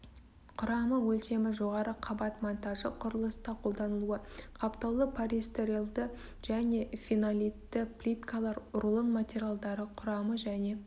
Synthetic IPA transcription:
qʰʊɾɑməwɵlt̪e̞mɪʒo̞ʁɑɾəqʰɑbɑt̪mont̪ɑʒəqʰʊɾəlˠəst̪ɑqʰo̞lˠd̪ɑnəlˠuəqʰɑpt̪ɑwlˠəpʰaɾist̪eɾilˠd̪ə | ʒ̥æne̞finalʲit̪ːɪplʲit̪kalˠɑɾʊɾlˠənmat̪ʲeɾʲijalˠd̪ɑɾəqʰʊɾɑməʒæne̞

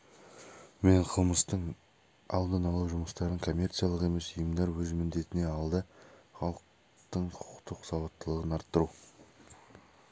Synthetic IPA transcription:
me̞ɴqʰəlˠməst̪əɴ | ɑ̰lˠd̪ənɑlˠuwʒʊməst̪ɑɾəɴkʰo̞mʲːe̞rt̪sijalˠəqe̞me̞səjəmd̪ɑɾwɵzmɪnd̪e̞t̪ɪne̞ɑlˠd̪əχɑlˠəq | t̪əɴqʰʊ̥ʊqt̪əqsɑwɑt̪ːəlˠəʁənɑɾt̪ːəɾu

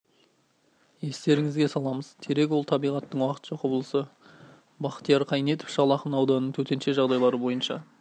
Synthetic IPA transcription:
je̞st̪e̞ɾɪŋɪzɡʲe̞sɑlˠɑməzt̪ʲʰeɾe̞k̬ʲwo̞lˠt̪ʰɑbijʁɑt̪ːəɴwɑqə̥t̪ʒoqobəlˠəsə | bɑqt̪ijɑɾqʰɑjne̞t̪ɪ̥fʃɑlˠɑχənɑwd̪ɑnənːəɴt̪ʰɵt̪e̞nʃe̞ʒɑʁd̪ɑjlˠɑɾəbo̞jənʃɑ̰

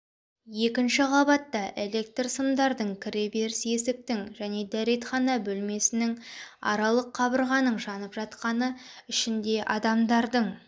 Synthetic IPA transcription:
je̞kʲɪnʃɪʁʰɑbɑt̪ːɑʔe̞le̞k̚t̪rsəmd̪ɑɾd̪əɴkʲʰɪɾe̞be̞ɾɪse̞sɪk̚t̪ɪŋʒæne̞d̪æɾe̞t̪χɑnɑbɵlme̞sɪnɪŋɑ̰ɾɑlˠəqʰːɑbəɾʁɑnəɴʒɑnəpʒ̥ɑt̪qɑnə | ʏʃɪnd̪e̞ʔɑd̪ɑmd̪ɑɾd̪əɴ

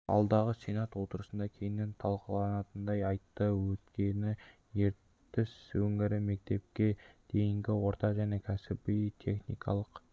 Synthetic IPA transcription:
ɑ̰lˠd̪ɑʁəsenɑt̪wo̞t̪əɾəsənd̪ɑkʲʰe̞jɪnːe̞nt̪ʰɑlˠqəlˠɑnɑt̪ənd̪ɑjɑjt̪ːəwɵt̪kʲe̞nɪ | je̞ɾt̪ː | ɪsɵŋɪɾɪme̞k̚t̪e̞p̚kʲe̞d̪̥e̞jɪŋɡʲɪwo̞ɾt̪ɑʒæne̞kʲʰæsɪbijt̪ʰe̞̰χnḭjkʰɑ̰lˠəq

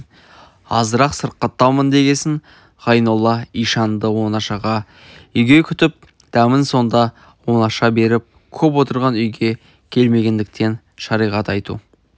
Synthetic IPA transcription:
ɑ̰zəɾɑqsəɾqːət̪ːɑlˠmənd̪e̞ɡʲe̞sɪŋ | ʁ̥ɑjnolˠːɑijʃɑnd̪əwo̞nɑʃɑʁɑ | ʏjɡʲe̞kʲʰʏt̪ɪp̚ | d̪̥æmɪnso̞nd̪ɑ | wo̞nɑʃɑbe̞ɾɪp̚ | kʲʰɵp̬wo̞t̪əɾʁɑnʏjɡʲe̞ | kʲʰe̞lme̞ɡʲe̞nd̪ɪk̚t̪ʰe̞n | ʃɑɾijʁɑt̪ɑjt̪ṵ

